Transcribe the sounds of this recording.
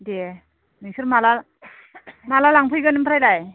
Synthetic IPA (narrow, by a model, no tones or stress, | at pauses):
de | nisɯɾmala | malalaŋpʰɯjɡɯnɯmpʰɾajlaj